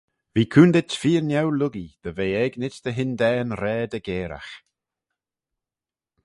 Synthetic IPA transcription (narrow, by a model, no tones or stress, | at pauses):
viːkʰuːnd̪ɪtfiːənjɛwlʊɡid̪̥əveːɛɡnɪsd̪̥əɦɪnd̪ɛːnɾɛːd̪əɡeːɾa̰x